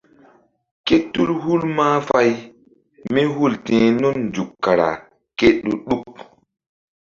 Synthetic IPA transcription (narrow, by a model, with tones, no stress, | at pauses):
ke˦tːu˦lhu˦lmaː˦fa˦j | me˦ɦu˦˨ltẽː˨nu˦nd͡ʒu˨kːa˨ɾa̰˨ | ke˦ɗɗu˦ɗu˦k